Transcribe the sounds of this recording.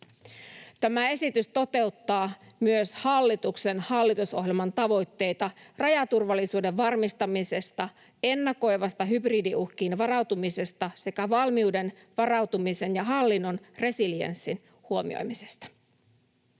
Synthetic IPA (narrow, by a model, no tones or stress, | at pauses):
t̪æmæe̞sit̪yst̪o̞t̪e̞ut̪ːɑː | myøshɑlːit̪ukse̞nhɑlːit̪uso̞̰ɦje̞lmɑnt̪ɑʋo̞jt̪ːe̞jt̪ɑrɑjɑt̪urʋɑlːisuːde̞ʋʋɑrmist̪ɑmise̞st̪ɑ | e̞nːɑko̞jʋɑst̪ɑɦybriːdiuhk̟iːnʋɑrɑwt̪umise̞st̪ɑse̞kæʋɑlmiude̞n | ʋɑrɑwt̪umise̞njɑɦɑlːinːo̞nre̞siliḛnsːin | huo̞mḭo̰jmise̞̥st̪ɑ̥